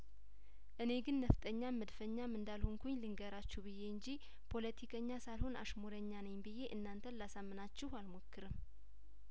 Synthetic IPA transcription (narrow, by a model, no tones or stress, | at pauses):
ʔɨne̞ɡɨnːəft̪ʼəɲːaməd̪fəɲːamɨnd̪alhuŋkʰuɲlɨŋɡəɾat͡ʃːuβɨjːe̞ɨɲd͡ʒi | pʰo̞lət̪ʰikʰəɲːasalho̞na̰ʃmoɾəɲːanəjbɨje̞ʔɨnːant̪ʰənlasamːɨnat͡ʃːɪhalmokːɨɾɨm